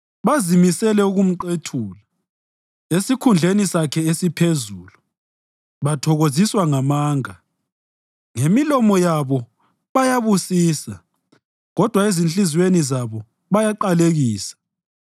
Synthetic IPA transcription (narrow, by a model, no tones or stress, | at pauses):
βazimisɛlɛuɣum̩ǃetʰuːla | esikʰund͡ɮʱenisakʰɛesipʰezuːlu | βatʰɔɣoziswaŋamaːŋa | ŋemilɔmɔjaβɔ | βajaβusiːsa | ɣɔd̥ʱwaezint͡ɬʼizwenizaβɔ | βajaǃaleɣiːsḁ